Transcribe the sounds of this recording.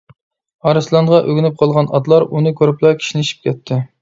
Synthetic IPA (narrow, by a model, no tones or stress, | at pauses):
ɑɾɨslˠɑnʁɑʔøɡʲynɪp̚qʰɑlˠʁɑnɑ̰d̪lˠɑɾunɨkʲʰøɾɪplˠɑkʲʰi̥ʃinɪʃi̥p̚kʲʰɛt̪ʰːɪ